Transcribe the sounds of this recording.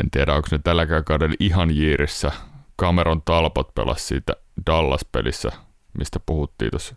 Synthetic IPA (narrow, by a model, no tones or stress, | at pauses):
ḛnt̪iæɾæoŋksnet̪ælːækækɑudeliɦɑnjiːɾisːækɑmeɾont̪ɑlpot̪pḛlʔɑ̰ssḭːt̪æd̥ɑlːɑspḛlisːæ̰ | mist̪æpuhut̪ːḭːt̪os